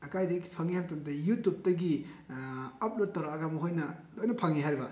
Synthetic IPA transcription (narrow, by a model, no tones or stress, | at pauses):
ɐkajdɐɡipʰaŋihamtumtɐjutup̚tɐɡi | ɐp̚lot̚tːɐwɾaːɡamɐɦojnɐlojnɐpʰaŋiɦajɾibɐ